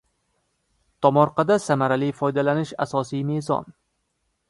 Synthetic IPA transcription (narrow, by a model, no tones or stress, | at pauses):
t̪ʰɒmɒɾqɑd̪asamaɾalijfɒjd̪alanɪʃa̰sɒsijmezɒ̰n